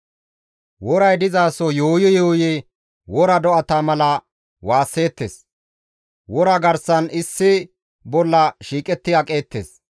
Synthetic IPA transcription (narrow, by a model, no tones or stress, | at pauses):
wɔɾɐjd̪ɪzaːsɔjoːjɔjoːjɛ | wɔɾɐd̪ɔʔɐt̪ɐmɐlɐ | waːsːe̞ːt̪ːḛːs | wɔɾɐɡɐɾsɐnɪsːɪ | bɔlːɐʃiːkʼɛt̪ːɪɐkʼe̞ːt̪ːḛːs